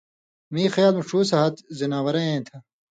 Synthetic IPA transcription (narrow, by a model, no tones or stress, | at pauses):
miːxɐjaːlmuʂʰuːsɐɦɐt̪zinaːwɐɾɐ̃ẽːt̪ʰɐ